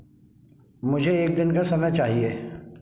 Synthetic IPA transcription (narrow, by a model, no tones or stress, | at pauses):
mʊd͡ʒʱeeːk̚d̪ɪnkasɐmɛt͡ʃaːɦieː